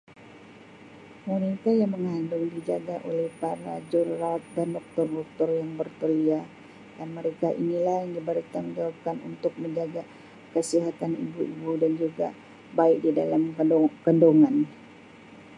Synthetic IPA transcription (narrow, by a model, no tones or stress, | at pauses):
munit̪ajaŋməŋandʊŋdid͡ʒaɡaʔolɛhpaɾa̰d͡ʒɔrːawt̪̚dandɔk̚t̪ʊrdɔk̚t̪ɔrjaŋbərt̪əlia | danməɾekaʔḭnilahjaŋdibaɾit̪aməɲd͡ʒawap̚kanṵnt̪ʊk̚məɲd͡ʒaɡa | kəsiɦat̪anḭbuibudand͡ʒuɡa̰ | baɪk̚dida̰lamkəndoŋan